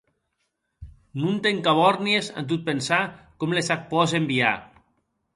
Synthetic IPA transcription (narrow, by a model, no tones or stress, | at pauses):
nunt̪eŋkaβɔɾniesa̰nt̪̬ut̪̚pensakɔmlesak̚pɔz̬embia̰